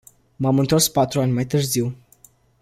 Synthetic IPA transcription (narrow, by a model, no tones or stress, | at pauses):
mamɨnt̪o̞rspat̪ɾuanʲmajt̪ɨrziw